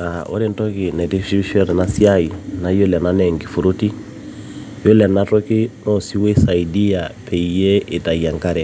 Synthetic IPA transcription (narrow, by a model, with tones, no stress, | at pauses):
a˨o̰˦ɾi˦ntɔ˦ki˨nɛ˨ti˦ʃi˦ʃɔ˦nɛ˨na˦si˦a˦i˨na˨jɔ˦lɛ˨na˦nɛ˨ŋɡi˨fu˨ɾu˦ti˦ | jo˦lɛ˨na˦tɔ˦ki˦nɔ˦si˦we˦sa˨i˨di˦a˨pʰɛ˨i˨jɛ˦ɪ˨ta˨i˨a˨ŋka˦ɾɛ˨